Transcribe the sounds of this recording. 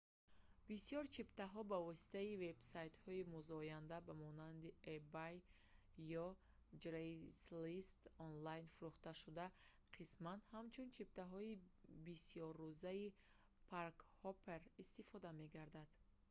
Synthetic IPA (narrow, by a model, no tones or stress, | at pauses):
bisjɔɾt͡ʃʰipt̪aɦɔbavɔsi̥t̪ʰaive̞bsajt̪hɔimuzɔjand̪abamɔnand̪iebajː | ɔ | d͡ʒɾejslist̪ɔnlajnfuɾuχt̪aʃud̪a | qʰismanhamt͡ʃʰunt͡ʃʰip̚t̪aɦɔibisijɔɾːuzai | pʰaɾkhɔpʰe̞ɾist̪ifɔd̪ame̞ɡaɾd̪ad̪̥